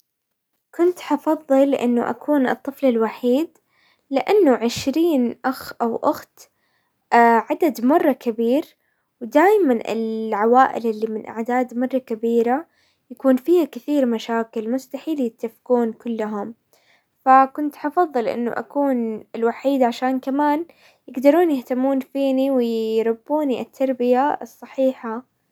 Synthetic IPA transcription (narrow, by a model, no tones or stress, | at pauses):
kʊnt̪ħɑfɑðˤːɨlʔɪ̰nːʊ̰ʔa̰kʰuːnʔɨ̰t̪ˤːɨflɪlwaħiːd̪ | lɪʔanːʊʕɪʃɾiːnʔaxʔawʔʊxt̪ː | ʕad̪ad̪mɑrˤːɑkabiːɾ | wd̪aːjmanʔɪ̰lʕawaːʔɪ̰lʔɪlːimɪnʔa̰ʕd̪aːd̪mɑrˤːɑkabiːɾa | jakuːnfiːhakɪθiːɾmaʃaːkɪlmʊst̪aħiːljɪt̪ːafkuːnkʊlːʊɦʊm | fakʊnt̪ʔɑfɑðˤːɨlʔɪ̰nːʊ̰ʔa̰kuːnɪlwaħiːd̪ʕaʃaːnkamaːn | jɪɡd̪ɑɾˤuːnjɪht̪amːuːnfiːniwɪɾˤʊbːuːniʔɪ̰t̪ʰːɑɾˤbɪjaɨsˤːɑħiːħa